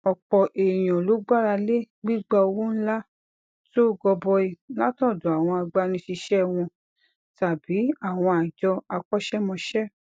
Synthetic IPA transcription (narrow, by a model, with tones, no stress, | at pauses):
ɔ˨k͡pɔ˨ʔe˨j̃ɔ̃˨lo˨˦ɡ͡ba˦ɾa˧le˦ | ɡ͡bi˦ɡ͡ba˧o˧wũ˦n̩˦la˦ | to˦˨ɡɔ˧bɔ˧i˧˦la˦tɔ̃˦˨dɔ˨a˨w̃ɔ̃˧a˧ɡ͡ba˧nĩ˧ʃi˧ʃɛ˦˧w̃ɔ̃˧ | ta˨bi˨˦a˦˨w̃ɔ̃˧a˨d͡ʒɔ˧a˧k͡pɔ˦ʃɛ˦mɔ̃˧ʃɛ˦